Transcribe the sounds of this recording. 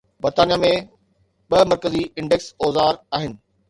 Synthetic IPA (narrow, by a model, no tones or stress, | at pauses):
bɐɾt̪aːnijamẽ | ɓɐmɐɾkəziɪ̃ɳɖeksɔːzaːɾaːɦɪnɪ̆